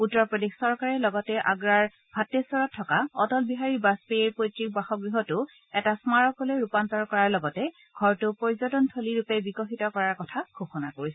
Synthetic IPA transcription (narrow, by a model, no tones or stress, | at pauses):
utːɔɹpɹɔdexsɔɹkaɹɛlɔɡɔtɛʔa̰ɡɹaɹ | bʱatːesɔɹɔtʰːɔkaɔtɔlbiɦaɹibaspejeɹpojtɹik̚baxɔkɡɡɹiɦɔtʊ | ɛtasmaɹɔkɔleɹupantɔɹkɔɹaɹlɔɡɔtɛ | ɡʱɔɹtʊpoɹizɔtɔntʰoliɹupebikɔxitɔkɔɹaɹkɔtʰakʰoxɔnakoɹisɛ